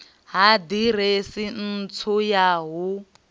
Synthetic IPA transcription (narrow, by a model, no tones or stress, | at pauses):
ɦadiresin̩t͡sʰujaɦu